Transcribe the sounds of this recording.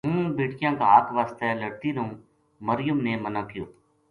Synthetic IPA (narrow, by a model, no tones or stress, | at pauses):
ɦũːbeːʈjãːkaːɦaːt̪ʰʋaːst̪ɛləɽt̪iːɾõː | məɾɪjʊmneːmənãːkɪjoː